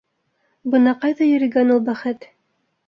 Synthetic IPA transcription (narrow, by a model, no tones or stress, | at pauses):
bɤnɑqɑjðɑjɵ̆ɾɘ̆ɡænulˠbæχɘt̪